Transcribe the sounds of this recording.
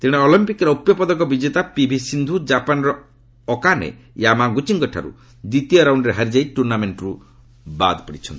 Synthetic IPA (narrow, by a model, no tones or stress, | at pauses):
t̪iɽ̃eɔlimpikɔɾɔupjɔpɔd̪ɔkɔbid͡ʒet̪apibʱisind̪ʱud͡ʒapanɾɔː | kanḛ | jamaɡut͡ʃiŋɡɔʈʰa̰ɾṵ | d̪it̪ijɔɾawɳɖɾeɦaɾid͡ʒajʈuɾnameɳʈɔɾu | ba̰d̪pɔɽit͡ʃʰɔnt̪i